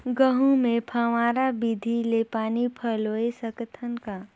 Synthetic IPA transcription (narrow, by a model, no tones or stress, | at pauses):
ɡəɦũmẽpʰaːʋaːɾabid̪ʱilepaːnipʰəloːesəkət̪ʰənka